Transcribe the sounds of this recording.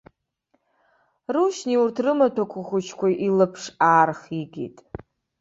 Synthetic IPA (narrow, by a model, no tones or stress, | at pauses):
ruʃniurtʰrɨmatʰakʷʰaχʷʊt͡ʃʰkʷʰaʔilɨpʰʂaːrχiɡʲḭtʼ